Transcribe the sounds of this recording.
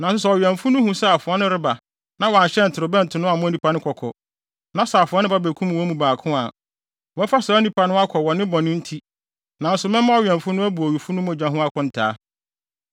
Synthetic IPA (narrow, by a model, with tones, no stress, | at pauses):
nã˨ns̬ʊ˦sɛ˨ɔ˨ɥɛ˨m̩˨fũ˦nʊ̃˦hũ˦sɛ˦a˨fʊ˨ɔ˦nʊ̃˦ɾɪ˦ba˨ | nã˦wa˨ɕɛ˦n̩˨tʰɪ˨ɾʊ˨bɛ̃˦n̩˨tʰʊ˨nʊ̃˦a˨mʊ̃˦æ˦nĩ˨pʰa˨˦nʊ̃˦kʰɔ˨kʰɔ̰˨ | nã˦sa˨a˨fʊ˨ɔ˦nʊ̃˦ba˦bæ˨kʰũ˦m̃˨wɔ˦mũ˨baː˨kʰʊ̃˦a˨ | wɔ̃˨˦fa˦sa˨˦nĩ˨pʰa˨nʊ̃˦a˦kʰɔ˨wɔ˨nɪ̃˦bɔ˨nʊ̃˦n̩˦tʰi˦ | nã˨n̩˦sʊ˨mɛ̃˦mã˦ɔ˦˨ɥɛ̃˨m̩˨fʊ̃˦nʊ̃˦æ˦bu˨ɔ˨ɥi˨fu˦nʊ̃˦mʊ̃˨d͡ʑᶣã˨ɦũ˦a˦kʰɔ̃˦n̩˨tʰaː˦